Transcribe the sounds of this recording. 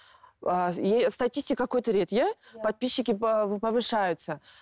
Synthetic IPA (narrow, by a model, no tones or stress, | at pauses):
ajest̪ɐtʲisʲtʲɪkkɐkojt̪əɾʲet̪ja | pɐt̪̚pʲiɕːɪkʲɪpəvɨʂajʊt̪sə